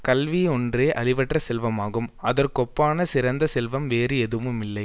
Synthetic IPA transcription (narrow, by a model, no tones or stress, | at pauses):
kɐlʋiɔndreːʔɐlɪʋɐʈrɐsɛlʋɐmaːɣɯmɐðɐrkɔpːaːnɐsɪɾɐnd̪ɐsɛlʋɐmʋeːɾɯɛðɯmɯmɪlːɐɪ